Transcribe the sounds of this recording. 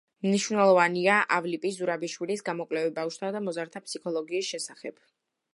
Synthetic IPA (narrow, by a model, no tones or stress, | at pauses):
mniʃvnɛlˠɔvaniaʔavlipʼizuɾabiʃwilisɡamɔkʼlɛvibafʃt̪ʰad̪amɔzaɾt̪ʰapsikʰɔlˠɔɡiːsʃɛsaχɛb̥̚